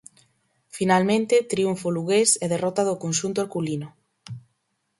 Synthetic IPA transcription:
finalmẽnt̪et̪ɾiuɱfoluɣeseðerɔt̪aðokonʃunt̪ooɾkulino

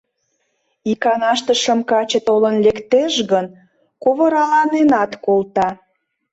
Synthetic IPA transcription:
ikɑnɑʃt̪əʃəmkɑt͡ɕət̪olənlekt̪eʃɣən | koβə̆ɾɑlɑnenɑt̪kolt̪ɑ

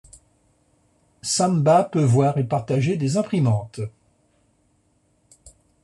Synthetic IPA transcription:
sãmbapøvwaʁepaʁt̪aʒed̪ezɛ̃pχimɑ̃t̪

